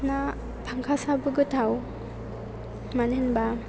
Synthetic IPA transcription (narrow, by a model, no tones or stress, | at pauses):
na | pʰaŋkʰasabɯɡɯtʰaw | manenba